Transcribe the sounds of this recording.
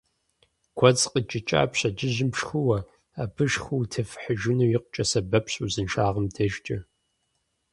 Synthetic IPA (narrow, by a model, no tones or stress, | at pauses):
ɡ̥ʷʰɔt͡sqət͡ʃʼɪt͡ʃʼa̰ːpɕɐd͡ʒɪʑɪmʂxɨwɐ | aːbɨʃχʷuwtʰɐfħəʒɪnɐwjiq̚t͡ʃʼɐsɐbɐpʰɕʼuzɨnʃaːʁəmdʰɐʒt͡ʃʼɐ